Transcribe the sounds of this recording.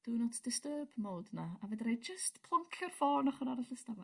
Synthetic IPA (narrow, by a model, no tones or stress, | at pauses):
d̥unɔtʰd̥ɪstəːbmoːdnaavɛdɾejd͡ʒəstpʰlˠɔŋkʰɛrfɔnɔχənaɾaɬəstava